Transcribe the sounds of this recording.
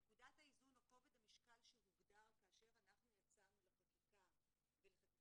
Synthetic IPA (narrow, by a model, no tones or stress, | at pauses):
ekud̪at̪haizunaqo̞ved̪amiʃkalʃemuɡd̪aʁkaːʃe̞ʁanaχnujat͡saʁnulapakika | velea